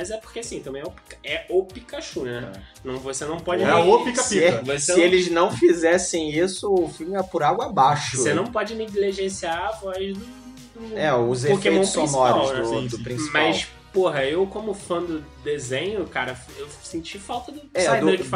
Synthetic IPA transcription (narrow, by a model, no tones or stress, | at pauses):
mɐzɛpo̥χkeasĩt̪ɐ̃mẽɛʊpi̥kɛopikaʃuɐnɛnɐ̃w̃vosenɐ̃w̃pɔd͡ʒopikapiɛvoseɪelɪznɐ̃w̃fizɛsẽj̃isʊːfimɪɛpʊɾaɡwɐbaʃoʊsenɐ̃w̃pɔd͡ʒɪnẽd̪eliʒẽsiaːvɔzd̪ʊ | d̪ʊɛʊzeofkeejtõʊspõsmɔɾawnɛsd̪ʊpɾĩsimɐas | poɦɐewkõmʊfɐ̃d̪ʊd̪ezẽɲʊkaɾɐ | ewsẽt͡ʃifawt̪ɐd̪ʊɛd̪ed͡ʒɪfa